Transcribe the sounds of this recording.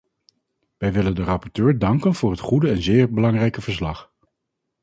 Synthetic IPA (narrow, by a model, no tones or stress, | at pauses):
ʋɛjʋɪləndərɑpɔɹtøːɹdɑŋkənv̥ʊːɹɦətχudəɛnzɪːɹbəlɑŋrɛjkəv̥əɹs̬lɑχ